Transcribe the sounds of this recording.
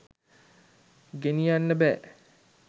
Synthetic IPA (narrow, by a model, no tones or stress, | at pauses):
ɡenijanːəbæː